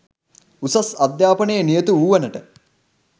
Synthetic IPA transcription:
usɐsɐd̪jaːpənejənijət̪uuːʋɐnəʈə

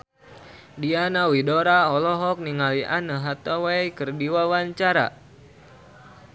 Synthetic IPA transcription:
dianawidoɾaɔlɔɦɔk̚niŋaliʔa̰nəɦat̪owejkərdiwawaɲt͡ʃaɾa̰

